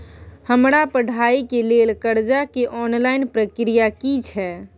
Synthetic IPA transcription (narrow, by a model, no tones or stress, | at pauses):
həmɾapəɽ̤ʱaikelelkəɾd͡ʒakeʔɔnlajnpɾəkɾijakit͡ʃʰɛ